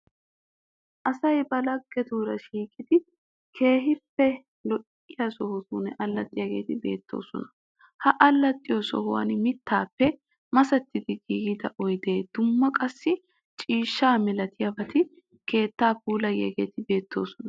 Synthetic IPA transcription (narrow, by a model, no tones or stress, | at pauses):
ʔɐsɐjbɐlɐɡːɛd̪uːɾɐʃiːkʼɪd̪ɪ | kʰe̞ːɦɪpːɛ | lɔʔ | ɪjɐsɔhʊsuːnɛʔɐlːɐt̪ʼːɪjɐɡe̞̰ːt̪ɪbe̞̰ːt̪ːo̰ːsɔ̰nɐ̥ | hɐʔɐlːɐt̪ʼːɪjɔsɔ̰hʊwɐ̰nmɪt̪ːaːpːɛ | mɐsɐt̪ːɪd̪ɪɡiːɡɪd̪ɐʔɔjd̪e̞ːd̪̥ʊmːɐkʼɐsːɪ | t͡ʃʼiːʃːaːmɪlɐt̪ɪjɐbɐt̪ɪ | ke̞ːt̪ːaːpuːlɐjːɐ̰ɡe̞̰ːt̪ɪbe̞ːt̪ʰːoːsɔnɐ